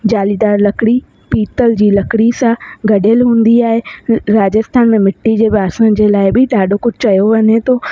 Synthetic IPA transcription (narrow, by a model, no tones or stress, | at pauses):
d͡ʑaːlid̪aːɾlɐkɽi | piːt̪əld͡ʑiːlɐkɽisãɡɐɖeːlɦũːnd̪iaːɦeɾaːd͡ʑəst̪ʰaːnmẽmɪʈːid͡ʑeːbaːsə̃nd͡ʑeːlaːɪbʱɪɗ̪aːɖʱokʊd͡ʑʱɪt͡ɕɐjoʋɐɲet̪oː